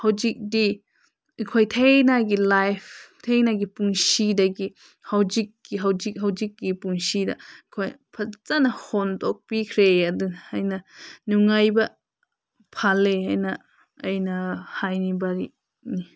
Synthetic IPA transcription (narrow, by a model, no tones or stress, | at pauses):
hawd͡ʒik̚di | kʰojtʰejnaɡilajftʰejnaɡipuŋsidɐɡi | hawd͡ʒik̚ɡiɦawd͡ʒik̚ɦawd͡ʒik̚ɡipuŋsidɐkʰojpʰɐt͡sanɐhontɔk̚pikʰɾeadɯhajnɐnuŋajbɐ | pʰaleajnɐ | ɐjnahajnibaɾi | ni